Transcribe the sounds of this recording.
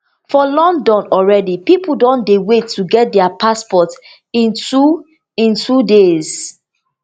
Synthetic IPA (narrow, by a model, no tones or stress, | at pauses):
fɔlɔ̃ndɔ̃nɔlɹɛdipipul̩dɔ̃ndewetʰːuɡɛt̚dɛapʰaspɔt | ĩntu | ĩntʰudez